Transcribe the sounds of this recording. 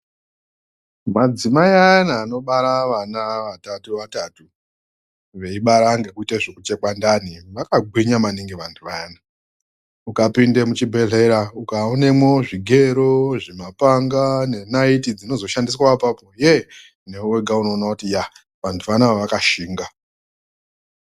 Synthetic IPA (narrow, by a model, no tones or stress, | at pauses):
mad͡zimaiajanaːno̞ɓaɾaʋanaʋatatuʋatatu | ʋe̞iɓaɾaːŋɡe̞kuitaʐekut͡ʃe̞kwandaniʋakaɡʱwiɲamaniŋɡiʋantʰuʋajana | ukapindemut͡ʃibʱe̞ɮe̞ɾaukaone̞mwo̞ʐiɡʱe̞ɾoʐimapaŋɡane̞naitid͡zino̞zo̞ʃandis̬waapapo̞je | neuweɡʱauno̞ːnakutija | ʋantʰuʋanaaʋakaʃiːŋɡa